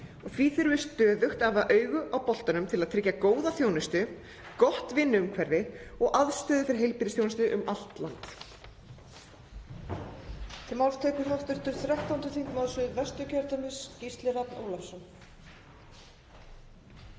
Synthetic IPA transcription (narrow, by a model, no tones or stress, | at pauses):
ɔɣθviːθɪɾvɪst̪œːðʏxt̪avaʔœːɥɣʏʔawpɔl̥t̪anʏmt̪ʰɪlaðt̪ʰɾɪcːakoːwðaθjoːwnɪst̪ʏ | kɔht̪vɪnːʏʏmkʰvɛɾðɪɔɣʔaðst̪œːðʏfɪɾɪ̥ɾɦejlpiɾɪsθjownɪst̪ʏʔʏmʔal̥t̪lant̪ | t̪ʰɪlmalst̪ʰœːkʏɾɦaft̪ʏɾ̥t̪ʏɾ̥θɾaht̪awnt̪ʏθʰiŋkmaðsʏðvɛst̪ʏcʰɛɾt̪œmɪscist̪lɪɾapno̰ːwlafsɔn